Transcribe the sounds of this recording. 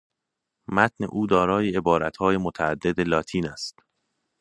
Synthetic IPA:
mæt̪ʰne̞̰ʔuːd̪ɒːɾɒːjeebɒːɾæt̪hɒːjemot̪ʰæːd̪ːe̞d̪elɒːt̪ʰiːnæst̪

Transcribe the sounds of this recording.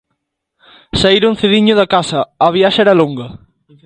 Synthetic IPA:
saiɾun̟θeðiɲʊðɐkasɐɐβjaʃɐɛɾɐloŋɡɐ

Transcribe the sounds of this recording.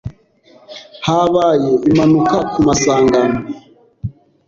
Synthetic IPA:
haβajeʔumanukakumasaːŋɡano

